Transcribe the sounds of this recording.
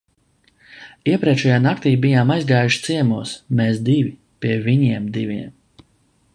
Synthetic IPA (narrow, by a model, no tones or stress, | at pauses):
iɛpɾɛt͡ʃɛjaːnak̚t̪iːbijaːmajzɡaːjuʃt̪siɛmuɔsmeːsd̪ivi | pʲiɛvʲiɲiɛmd̪ivʲiɛm